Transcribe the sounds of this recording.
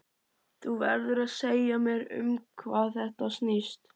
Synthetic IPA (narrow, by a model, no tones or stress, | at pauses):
θuvɛɾðʏɾaðseːjamjɛɾʏ̰mkʰvaːðθɛht̪asnist̪